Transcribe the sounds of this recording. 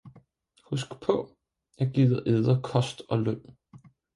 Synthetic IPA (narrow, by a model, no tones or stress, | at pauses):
husɡ̥pʰɔ̽ | jɑ̈ɡ̥iːðˠɐʔeðˠɐkʰɒ̽sd̥ɒ̽løn̰